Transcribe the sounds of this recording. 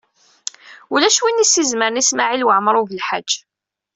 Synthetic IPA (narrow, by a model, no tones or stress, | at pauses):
ulæʃwinisːizməɾnismaʕilwəʕməɾˤuvəlħḁd͡ʒː